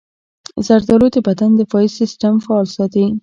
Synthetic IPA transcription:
zaɾd̪ɑlod̪əbad̪and̪əfɑisɪstamfaːlsɑt̪i

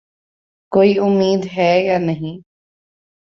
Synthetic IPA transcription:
koːiːʊmiːd̪ɦɛːjanəɦĩ

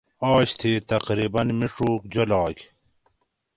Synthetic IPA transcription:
aːɕt̪ʰiːt̪ɐqɾiːbɐnmiʂoːkd͡ʑolɑːk

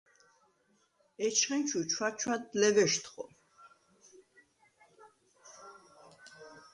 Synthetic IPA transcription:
ɛt͡ʃʰχɛnt͡ʃʰut͡ʃʰwat͡ʃʰwad̪lɛvɛʃt̪ʰχɔ

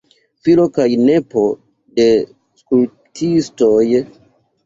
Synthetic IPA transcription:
filo̞kajne̞po̞ | de̞ | skul | tʰisto̞j

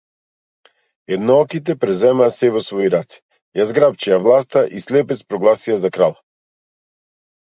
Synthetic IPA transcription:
ɛd̪nɔɔkit̪ɛpɾɛzɛmaːsɛvɔsvɔjɾat̪t̪ | jazɡɾapt͡ʃiavlˠast̪aʔislɛpɛt̪spɾɔɡlˠasiazakɾalˠ

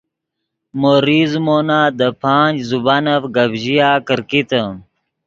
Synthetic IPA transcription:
moɾiːzmonad̪əpʰaːnd͡ʑzubanɐfɡɐbʑijaːkəɾkit̪ə

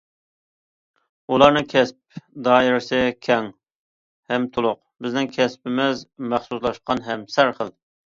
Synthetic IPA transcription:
ulˠɑɾnɨŋkʲʰɛsp̚d̪ɑːiɾɪsɪkʲʰɛŋ | hɛmt̪ʰolˠʊq̚ | bɪznɪŋkʲʰɛspɪmɪzmæχsuslˠɑʃqɑnɦɛmsæɾχəlˠ

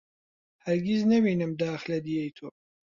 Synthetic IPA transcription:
hɐɾɡiznɐbiːnɨmd̪aːxlɐd̪ijejt̪ʰoː

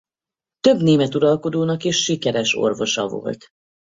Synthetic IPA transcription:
t̪ø̞bneːmɛt̪uɾɒlko̞d̪oːnɒkiʃːikɛɾɛʃo̞̰rvo̞ʃɒvo̞̰lt̪

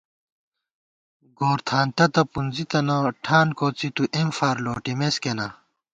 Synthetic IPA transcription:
ɡoːɾt̪ʰaːnt̪ɐt̪ɐpund͡zit̪ɐnɐʈʰaːnkot͡sit̪uʔemfaːɾloːʈimeskenɐ

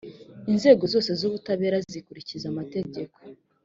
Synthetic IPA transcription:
inze̞ːɡo̞zo̞ːse̞zuβutaβe̞ːɾazikuɾicizamate̞ɟe̞ko̞̥

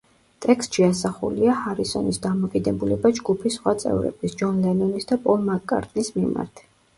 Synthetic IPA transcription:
t̪ʼɛkst̪ʃiasaχṵliahaɾisɔnisd̪amɔkʼid̪ɛbulɛbad͡ʒɡupʰisːχwat̪sʼɛ̰vɾɛ̰b̥isd͡ʒɔnlɛnɔnisd̪apʼɔlmakʼːa̰ɾt̪ʼnismima̰ɾt̪ʰ

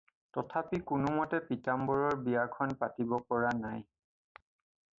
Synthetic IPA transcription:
tɔtʰapikʊnʊmɔtɛpitambɔɹɔɹbijakʰɔnpatibɔpɔɹanaj

